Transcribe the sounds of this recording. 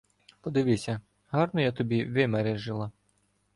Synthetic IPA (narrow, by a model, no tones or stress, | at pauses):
pɔd̪ɪʋɪsʲɐ | ɦɑrnɔjat̪ɔbʲiʋɪmɛɾɛʒɪlˠɐ